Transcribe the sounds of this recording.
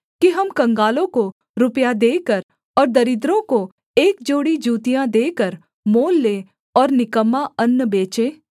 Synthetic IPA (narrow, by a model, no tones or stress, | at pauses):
kiɦɐmkɐ̃ŋɡaːlõko | ɾʊpjad̪eːkəɾ | ɔːɾd̪ɐɾɪd̪ɾõko | eːk̚d͡ʒoːɽid͡ʒuːt̪ijãd̪eːkəɾ | moːlːeː | ɔːɾnɪkəmːaɐnːbeːt͡ʃẽː